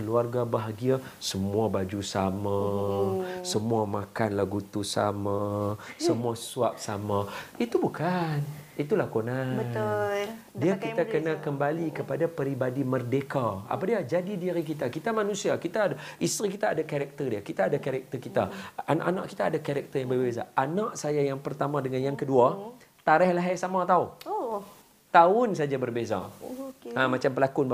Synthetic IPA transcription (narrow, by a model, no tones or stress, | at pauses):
əluarɡabaɦaɡia | səmuabad͡ʒusamã | səmuamãkanlaɡut̪usa̰masəmuasuaʔ̚samait̪ubukanit̪ulakonaə | diakiakənakəmbalikəpadapəɾibadimərdekaa̰padiad͡ʒadidiɾikit̪akit̪amanũsiakit̪aːaist̪ɾikit̪aːdakaɾɛk̚t̪ərdiakit̪aːdakaɾɛk̚t̪ərkit̪a̰ana̰ʔana̰ʔki̥t̪aːdakaɾɛk̚t̪ərjaŋbərbeza̰anaʔsajajaŋpərt̪amãdəŋanjaŋkədua | t̪aɾɛhlaɦajsamat̪aʊ | t̪aʊnsad͡ʒabərbeza̰ | amat͡ʃampəlakʊnb